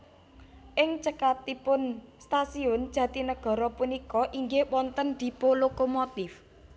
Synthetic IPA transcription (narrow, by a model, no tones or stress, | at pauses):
ʔɪŋt͡ʃəkat̪ipʊnst̪asiʊnd͡ʒʒ̥ä̤t̪inəɡ̥ɔ̤ɾɔpunikɔʔiŋɡewɔnt̪ənd̪̥i̤polokomot̪ɪf